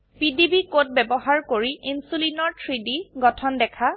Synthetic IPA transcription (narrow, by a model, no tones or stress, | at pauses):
pidibikot̚bɛbɔɦaɹkoɹiinsulinɔɹtʰɹidiɡɔtʰɔndɛkʰa